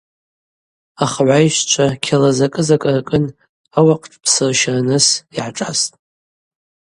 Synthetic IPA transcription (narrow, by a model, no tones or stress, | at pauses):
aχʕʷajʃʷt͡ʃʷʰakʲʰalazakʼɨzakʼɨrakʼɨn | awaqʼʈ͡ʂʰʼpʰsɨrʃaranɨsiʕaʈ͡ʂʼastʼ